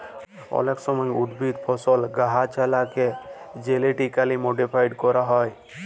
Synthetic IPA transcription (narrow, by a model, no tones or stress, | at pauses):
ɔ̰leksɔmɔjud̪bʱid̪pʰɔsɔlɡaɦat͡ʃalaked͡ʒeleʈikalimoɖipʰajɖkɔɾaɦɔj